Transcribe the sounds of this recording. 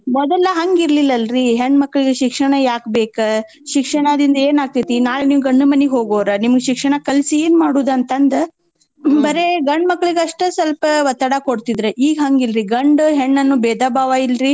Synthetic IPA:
mɔd̪ɐlːɐɦɐŋɡiɾɐlilːɐlɾiɦeɳːmɐkːɐɭiɡeʃikʂɐɳɐjaːkbeːkɐ | ʃikʂɐɳɐd̪ind̪ɐeːnaːɡ̚t̪it̪inaːɭeniːʋɡɐɳɖumɐniɦoːɡoːɾɐnimɐɡeʃikʂɐɳɐkɐlsieːnmaːɽuːd̪ɐnt̪ɐnd̪ɐ | bɐɾeɡɐɳɖmɐkːɐɭiɡeɐʂʈɐsɐlpɐʋɐt̪ːɐɽakoɽt̪id̪ɾeʔiːɡɦɐŋɡilɾiɡɐɳɖɦeɳːɐnːubɛːd̪ʱaːbʱaːʋailɾi

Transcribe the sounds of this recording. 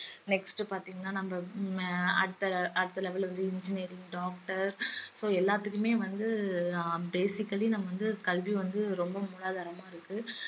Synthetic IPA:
nɛksʈɯpaːɾt̪iːŋɡɐnːaːnɐmbɐ | ɐ̰ɽɯt̪ːɐɐɽɯt̪ːɐlɛʋɐlʋɐnd̪ɯɪnd͡ʒɪniːɾɪŋɡɖaːk̚ʈɐɾsoːɛlːaːt̪ːɯkːɯmeːʋɐnd̪ɯ | beːsɪkːɐlinɐmːɐʋɐnd̪ɯkɐlʋiʋɐnd̪ɯɾɔmbɐmuːɭaːðaːɾɐmaːɪɾɯkːɯ

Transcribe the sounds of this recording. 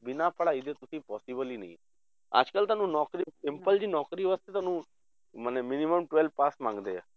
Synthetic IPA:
bɪnapəɽaɪd̪ʱet̪ʊsĩpɔːsibəlinəɦḭ̃ | a̰ːd͡ʒkəlt̪aːnũnɔːkɾisɪmpəld͡ʒinɔːkɾiɦəst̪et̪aːnũ | mənemɪniməmʈʋelpaːsmãŋɡd̪ḛ

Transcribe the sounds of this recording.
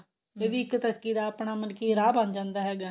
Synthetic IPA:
eːʋiɪkːt̪əskiːd̪aːəpɳaːmənkiːɾaːbənd͡ʒãːnd̪aːɦɛːɡaː

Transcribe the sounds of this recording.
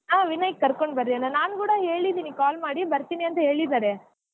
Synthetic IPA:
aːʋinɐjkekɐɾkoɳɖbɐɾiɐnːɐnaːnkuːɽɐɦe̞ːɭid̪iːnikaːlmaːɽibɐɾt̪iniɐnt̪ɐɦe̞ːɭid̪aːɾe

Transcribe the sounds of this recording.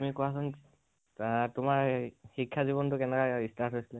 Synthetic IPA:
tumikoasʊn | tʊmaɹxikʰːjaziβɔntʊkɛnɛkaistaɹtɦojsilɛ

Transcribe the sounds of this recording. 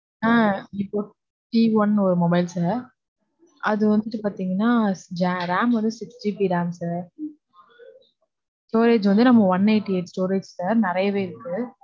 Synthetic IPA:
aːɪpːoː | ʈiʋɐnɔɾɯmɔbɐɪlsaːɾ | ʔɐðɯʋɐnd̪ɯʈːɯpaːɾt̪iːŋɡɐnːaːd͡ʒaːɾaːmʋɐnd̪ɯsɪipiɾaːmsaːɾ | sʈoːɾeːd͡ʒʋɐnd̪ɯnɐmːɐʋɐnːeːʈːieːʈsʈoːɾeːd͡ʒsaːɾnɪɾɐjɐʋeːɪɾɯkːɯ

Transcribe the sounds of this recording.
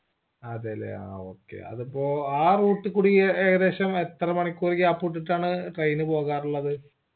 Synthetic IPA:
ɐðelḛa̰o̰ːkːḛɐ̰ðɨpːo̞ːaːruːʈːɨkːuːɽieɣɐðe̞ːɕɐmet̪ːrɐmɐɳikʲːuːɾikʲːaːpːuːʈ̬ːiʈːaːɳɨʈrejnɨpo̞ːɣaːruɭːɐðɨ

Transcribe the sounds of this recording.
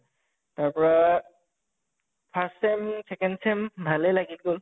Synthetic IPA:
taɹpɔɹa | pʰassɛmsɛkɛnsɛmbʱalɛlaɡit̚ɡol

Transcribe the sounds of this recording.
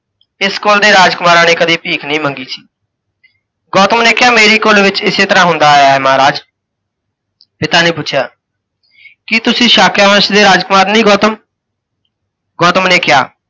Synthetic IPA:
ɪskoːld̪eːɾaːd͡ʒkʊmaːɾãːneːkəd̪iːpiːkʰnəĩːməŋɡiːsi̥ː | ɡɔːt̪əmneːkɪjaːmeːɾiːkoːlʋɪt͡ʃɪseːt̪əɾãːɦʊnd̪aːaːɛːmaːɾaːd͡ʒ | pɪt̪aːneːpʊt͡ʃʰja̰ː | kɪt̪ʊsĩːʃaːkjaːʋəʃd̪eːɾaːd͡ʒkʊmaːɾnəĩːɡɔːt̪əm | ɡɔːt̪əmneːkɪja̰ː

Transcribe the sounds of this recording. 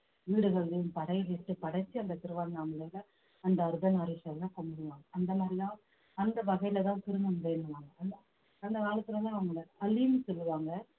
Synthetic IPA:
ʋiːɽɯɣɐɭɯmpɐɽɐjɪlɪʈːɯpɐɽɐt͡ʃːiɐnd̪ɐt̪ɪɾɯʋaːŋɡɐɐmːɐlɐɪlɐ | ɐnd̪ɐːɾɯðɐnaːɾɪʂɐɾɐlãːkɔmbɯɽɯʋaːŋɡɐɐnd̪ɐmaːd̪ɾɪlãː | ɐnd̪ɐʋɐɣɐɪlɐt̪ãːt̪ɪɾɯnɯmʊɽɐnːɯʋaːŋɡɐɐnaː | ɐnd̪ɐʋaːɭɐk̪ːɪlɐlãːɐʋɐŋɡɐɭɯɐlimsɔlːɯʋaːŋɡɐ

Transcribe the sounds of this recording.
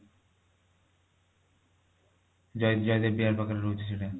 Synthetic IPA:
d͡ʑ̪d͡ʑɔjd̪eɾbiaɾpakaɾeɾod͡ʑʰet͡ɕʰile

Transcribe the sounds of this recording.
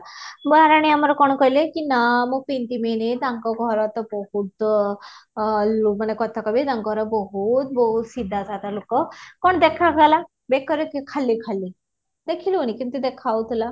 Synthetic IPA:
bɾaɽ̃iamaɾɔkɔɳ̃kɔjlekinamupint̪imenet̪ãŋkɔɡʱɔɾɔt̪ɔbɔɦut̪ | lumanekɔt̪ʰakɔbit̪ãŋkɔɡʱɾɔbɔɦut̪̚bɔɦut̪sid̪ʱːat̪ʰat̪alokɔkɔɳ̃ɔd̪ekʰaɡala | bekɔɾɔkikʰalːikʰalːi | d̪ekʰilunikint̪ud̪ekʰawt̪ʰila

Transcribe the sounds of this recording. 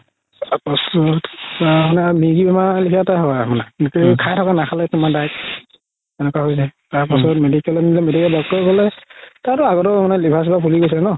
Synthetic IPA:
apɔsɔtamanɛamiɡibɛmalikʰataɦɔamanɛkikʰajtʰɔkanakʰalɛtumadajk̚ | ɛnɛkwaɦojzajtaɹpasɔtmedikɛlɔnilɛmedikɛlbɔk̚tɔɡɔlɛtatɔaɡɔtɔmanɛlibʱasibapʰuliɡojs̬ilɛnɔ

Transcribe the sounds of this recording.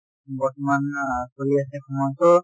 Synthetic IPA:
bɔɹtɔmankoɹiasɛkʰɔmɔjtɔ

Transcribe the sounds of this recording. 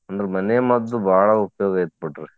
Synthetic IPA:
ɐnd̪ɐɾemɐnejɐmɐd̪ːubʱaːɭɐupjoːɡɐet̪̚biʈːɾe

